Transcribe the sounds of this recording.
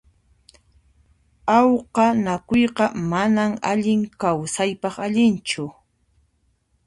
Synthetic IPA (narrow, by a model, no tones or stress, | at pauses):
ɑwqɑnakʊjqɑmanamaʎɪŋkawsajpɑχaʎɪnt͡ʃʊ